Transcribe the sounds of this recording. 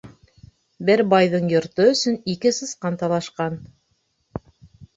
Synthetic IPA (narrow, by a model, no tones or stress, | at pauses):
bɘɾbɑjðɤɴjŏɾt̪ɤɵ̆sɵ̆nikɘsɤ̆sqɑnt̪ɑlˠɑʃqɑn